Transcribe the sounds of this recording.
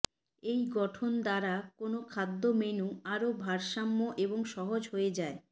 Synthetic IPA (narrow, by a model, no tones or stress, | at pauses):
ejɡɔʈʰond̪aɾakonokʰad̪ːomenuaɾobʱaɾʃamːoʔeboŋʃɔɦod͡ʑɦoed͡ʑae